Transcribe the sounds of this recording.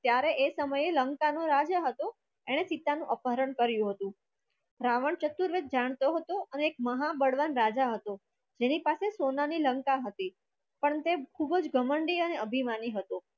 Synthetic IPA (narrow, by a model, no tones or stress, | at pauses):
t̪jaɾeʔesəməjeləŋkanoɾad͡ʒaɦət̪o | eɽ̃esit̪anũʔəpəɾəɳkəɾjũɦət̪ũ | ɾaʋəɳt͡ʃət̪ːuɾʋet̪̚d͡ʒaɽ̃t̪oɦət̪oəneːkməɦabəɽʋanɾad͡ʒaɦət̪o | d͡ʒenipasesonaniləŋkaɦət̪i | pəɳt̪ekʰubəd͡ʒɡəməɳɖiəneəbʱimaniɦət̪o